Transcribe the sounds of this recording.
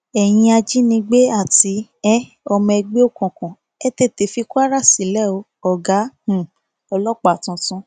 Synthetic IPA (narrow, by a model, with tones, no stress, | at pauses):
ɛ˨j̃ĩ˧a˧d͡ʒi˦nĩ˧ɡ͡be˦a˦˨ti˧˦ɛ˦ | ɔ˧mɔ̃˧ɛ˧ɡ͡be˦o˦˨kɔ̃˨kɔ̃˨ | ɛ˦te˦˨te˨fi˧ku˦a˦ɾa˦˨si˨lɛ˦˨o˧˦ | ɔ˨ɡa˨˦hũ˨ | ɔ˧lɔ˦k͡pa˨tũ˧tũ˧